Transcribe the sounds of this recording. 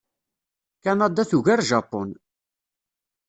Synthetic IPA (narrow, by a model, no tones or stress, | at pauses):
kænɑd̪æθuʝæɾʒɑpːon